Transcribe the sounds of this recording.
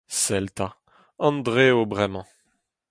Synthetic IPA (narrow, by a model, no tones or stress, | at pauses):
sɛlt̪a | ɑ̃nd̪ʁeobʁɛmɑ̃